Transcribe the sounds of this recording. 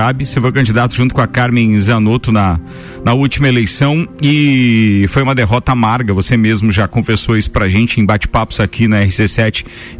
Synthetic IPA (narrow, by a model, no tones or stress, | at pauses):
abɪsefojkɐ̃d͡ʒid̪at̪ʊʒũt̪ʊkõɐkaɾmẽj̃zɐnot̪ʊnɐ | nɐut͡ʃimɐelejsɐ̃w̃ɪ | fojũmɐd̪eɦɔt̪ɐamaɾɡɐvosemezmʊʒakõfesowisʊ̥pɾaʒẽnt͡ʃɪẽbat͡ʃɪ̥papʊ̥z̥akʰinɐɛhɪsesɛt͡ʃɪ̥